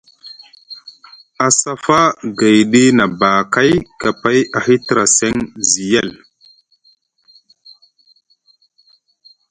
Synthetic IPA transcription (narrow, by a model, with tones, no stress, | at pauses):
a˨sa˦fa˦ɡa˨jɗi˦na˨ba˨ka˦jka˨pa˦ja˨hi˦ti˨ɾa˨se˦ŋzi˨ja˦˨l